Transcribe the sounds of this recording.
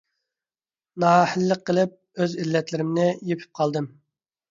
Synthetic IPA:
nɑːhəlːəqʰːəlˠɨp̚ | øzilːɛt̪lɪɾɪmnɪjepʰy̥p̚qʰɑlˠd̪ɨm

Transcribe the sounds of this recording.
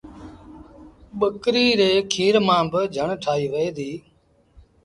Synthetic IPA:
ɓəkɾiːɾeːkʰiːɾmãːbəd͡ʒʱəɳʈʰaːɦiːʋeeːd̪iː

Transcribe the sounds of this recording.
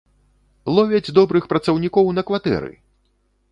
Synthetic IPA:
lˠɔvʲɛd͡zʲd̪ɔbɾɨxpɾɐt̪sɐwnʲikɔwnɐkvat̪ɛ̰ɾɨ̰

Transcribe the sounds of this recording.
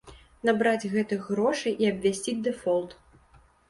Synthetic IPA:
nabɾad͡zʲɣɛt̪ɨɣɾɔʂɨjʔiɐbvʲasʲt͡sʲid͡zʲd̪ɛfɔlˠt̪

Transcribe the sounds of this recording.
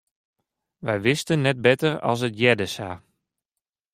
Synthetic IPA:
ʋɛjʋɪstənːɛt̚bɛtərɑ̰lˠs̬ətjɛdəsaː

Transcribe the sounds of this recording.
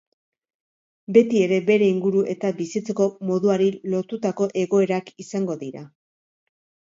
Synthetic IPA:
be̞t̪ie̞ɾe̞be̞ɾe̞iŋɡuɾuʔe̞t̪abisit͡se̞ko̞mo̞ðuaɾilo̞ɾt̪ut̪ako̞ʔe̞ɣo̞e̞ɾakisaŋɡo̞ðiɾa̰

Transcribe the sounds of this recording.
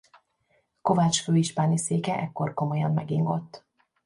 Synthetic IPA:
ko̞vat͡ʃføːiʃpaːniseːkɛʔɛkːo̞rko̞mo̞jɒmːɛ̰ɡiŋɡo̞t̪ː

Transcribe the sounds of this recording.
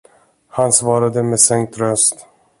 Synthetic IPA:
hansvɑːɾad̪əmesɛŋk̚t̪ɾœst̪

